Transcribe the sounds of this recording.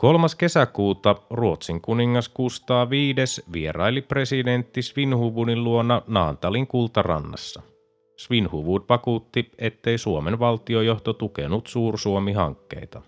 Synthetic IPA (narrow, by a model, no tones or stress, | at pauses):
ko̞lmɑske̞sækuːt̪ɑruot̪siŋkuniŋːɑskust̪ɑːʋiːde̞sʋieɾɑjlipre̞side̞nt̪ːisʋinhuʋunilluonːɑnɑːnt̪ɑliŋkult̪ɑrɑ̰nːɑ̰sːɑ | sʋinhuʋuːd̪ʋɑkuːt̪ːie̞t̪ːe̞jsuomenʋɑlt̪iojo̞ht̪ot̪ukḛnut̪suːrsuomiɦɑ̰ŋkːe̞̰jt̪ɑ